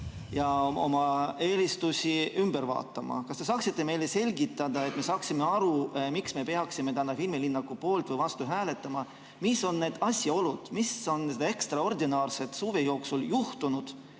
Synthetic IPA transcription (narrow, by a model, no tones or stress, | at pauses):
jɑo̞̰mɑe̞ːlist̪usʲiymb̥e̞ɾvɑ̰ːt̪ːˑɑmɑ̰kɑst̪e̞sɑːksit̪ːe̞me̞jle̞se̞lʲɡit̪ːˑɑd̪̥ɑe̞t̪me̞sɑːksimeɑɾumiksme̞peɑksime̞t̪ænːɑfilmilinːɑkːupo̞ːlt̪vɤjvɑst̪uɦæːle̞t̪ːˑɑmɑ | miso̞nːe̞ːd̪̥ɑsʲjɑo̞lud̪̥miso̞ned̪̥ɑe̞kst̪ɾrɑo̞rd̪inɑːrse̞t̪suːve̞jo̞ːksuljuht̪unud̪̥